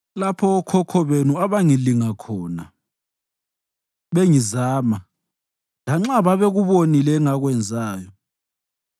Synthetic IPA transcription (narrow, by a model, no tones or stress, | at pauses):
lapʰɔːkʰɔkʰɔβenuaβaŋiliŋakʰɔːna | βeŋizaːma | laŋ͡ǁaβaβeɣuβonilɛŋaɣwɛnd͡zʱaːjɔ